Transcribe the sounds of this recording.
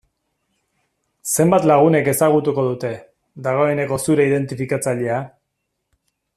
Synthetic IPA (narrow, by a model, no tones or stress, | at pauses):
se̞mbat̪laɣ̞une̞ke̞saɣut̪uko̞ð̞ut̪e̞ | ðaɣ̞o̞e̞ne̞ko̞suɾeið̞e̞nt̪ifikat͡saʎe̞a